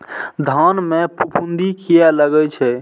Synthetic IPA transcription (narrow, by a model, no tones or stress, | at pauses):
d̪ʱanmepupʰund̪ʱikijɛləɡɛt͡ʃʰɛ